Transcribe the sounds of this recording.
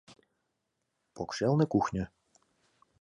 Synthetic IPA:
pokʃelˠnɘ̆kuxnʲɘ̆

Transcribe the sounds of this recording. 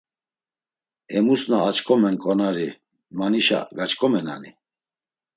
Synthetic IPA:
ɛmusnaːt͡ʃkʰʼɔmɛnkʼɔnaɾi | maniʃa̰ɡat͡ʃkʰʼɔmɛna̰ni

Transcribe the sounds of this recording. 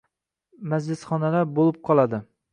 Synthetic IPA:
mæd͡ʒlɪsχɒnalæɾbolˠɨp̚qʰɒlˠɑd̪ɪ

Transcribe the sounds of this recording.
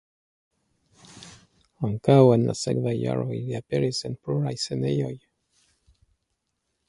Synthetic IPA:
aŋkawenlʔa̰sḛɡvaja̰ɾoiliapeɾisenpluɾajsenejoj

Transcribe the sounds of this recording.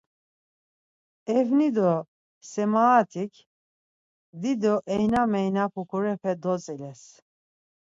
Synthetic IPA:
ɛvnid̪ɔ | sɛmaːt̪ʰikʰ | d̪id̪ɔʔɛjnamɛjnapʰukʰuɾɛpʰɛd̪ɔt͡sʼɛlɛs

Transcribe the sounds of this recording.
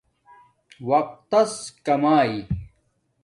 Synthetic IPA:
wɐq̚t̪ɐskɐmaːi

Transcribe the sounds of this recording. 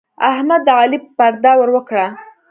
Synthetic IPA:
a̰hmad̪ːəɑlipaɾd̪ɑwəɾwəkɽa

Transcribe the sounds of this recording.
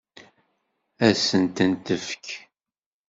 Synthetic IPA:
æsənt̪ənt̪əfk

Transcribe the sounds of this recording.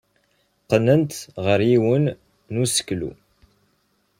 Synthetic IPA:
qənənt̪ʁəɾiwənː | usə̥klṵ

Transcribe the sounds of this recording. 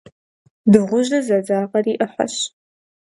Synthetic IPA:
dɨʁʷʊʒɐzɐd͡zaːʁɐriːʔɨħʷa̰ɕ

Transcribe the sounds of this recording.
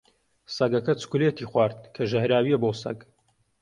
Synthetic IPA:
sɐɡɐkɐt͡su̥kulet̪iːχwaːɾt̪̚kʰɐʒɐhɾaːwiɛbosɐ̰ɡ

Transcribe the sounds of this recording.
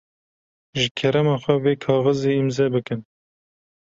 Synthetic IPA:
ʒɨkʰɛɾɛmɑːxʷɛveːkʰɑːɣɨzeːimzɛbɨkɨn

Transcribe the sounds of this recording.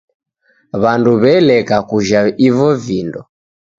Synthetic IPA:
βanduβɛlɛkakuʒaivɔvindɔ

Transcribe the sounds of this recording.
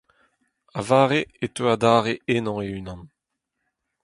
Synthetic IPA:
avaːʁeet̪øad̪aːʁeʔenɑ̃eynɑ̃n

